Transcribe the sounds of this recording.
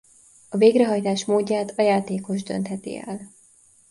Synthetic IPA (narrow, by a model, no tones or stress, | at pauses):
ɒveːɡɾɛɦɒjt̪aːʃmoːɟːaːt̪ɒjaːt̪eːko̞ʒd̪ø̞̰nt̪hɛt̪ḭɛ̰l